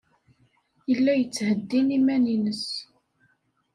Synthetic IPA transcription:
jəlːæjət͡sːhəd̪ːinimæninəs

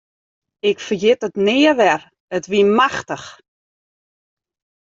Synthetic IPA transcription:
ɪkfərjɪtətnɪːəʋɛr | ətʋimaxtəx

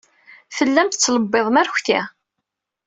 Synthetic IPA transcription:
fəlːæmt̪t͡sːləbːeðˤmæɾçʷθi

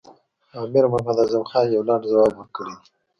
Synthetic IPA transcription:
aːmiɾmamad̪azamxɑːnjawlɑːɳɖzawɑːbwəɾkəɽid̪i

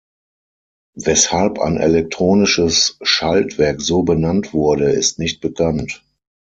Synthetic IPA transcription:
vɛshalpa̰ɪnʔɛ̰lɛk̚tʁ̥oːnɪʃəsʃaltv̥ɛɐkz̥oːbənantv̥ʊɐɾəɪ̰stnɪçt̚b̥əkʰant

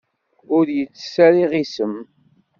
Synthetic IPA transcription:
ʊɾjət͡sːə̥sæɾiʁisəm

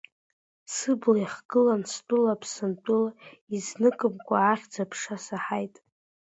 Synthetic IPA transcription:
sɨblajiχɡ̥ɨlanstʼʊlapʰsɨntʷʼʊlaiznɨkʼɨmkʷʼaːχʲd͡zapʰʂasaħajtʼ

